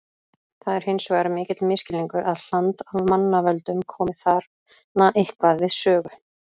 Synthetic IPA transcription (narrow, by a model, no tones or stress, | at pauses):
θaðɛɾ̥hejnsɔɣaɾamɪːcɪt̪lmɪscɪlːiŋkʏɾʔaðl̥ant̪avmanːavœlt̪ʏmkʰɔːmɪθaɾ | naʔehkvaðvɪðsœːɣʏ